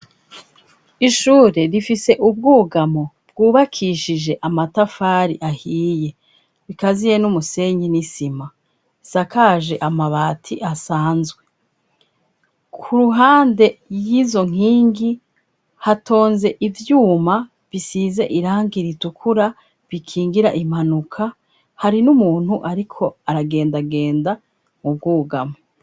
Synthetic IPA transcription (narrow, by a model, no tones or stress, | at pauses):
iʃuːɾe̞ɾifise̞ʔubɡuːɡamo̞ | b̥̚ɡuːβakʰiːʃiʒe̞ʔamatafaːɾiʔahiːje̞ | βikazije̞numuse̞ɲinisima | isakaʒe̞ʔamaβaːtʰiʔasaːnzɡwe̞ | kʰuɾuɦaːnde̞jiːzo̞ŋ̥iːŋɡi | hatʰo̞ːnze̞ʔivjuːma | visize̞ʔiɾaːŋɡiɾitukʰuɾa | βikʰiːŋɡiɾa̰ʔim̥hanukʰa | haɾinumuːn̥huʔaɾikʰo̞aɾaɡe̞ːndaɡe̞ːnda | mub̚ɡuːɡame